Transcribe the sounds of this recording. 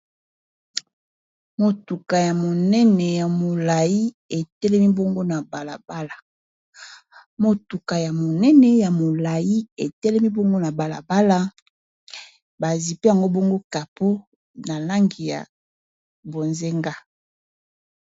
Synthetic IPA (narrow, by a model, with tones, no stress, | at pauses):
mo˨tu˨ka˨ja˨mo˨nɛ˦nɛ˨ja˨mo˨la˨ji˦ | e˨tɛ˦lɛ˦mi˦bo˦ŋɡo˦na˨ba˨la̰˨ba˦la˨ | mo˨tu˨ka˨ja˨mo˨nɛ˦nɛ˨ja˨mo˨la˨ji˦e˨tɛ˦lɛ˦mi˦bo˦ŋɡo˦na˨ba˨la̰˨ba˦la˦ | ba˨zi˨pi˦˨a˨ŋɡo˦bo˦ŋɡo˦ka˨po˦ | na˨la˦ŋɡi˨ja̰˨ | bo˨nze˦ŋɡa˦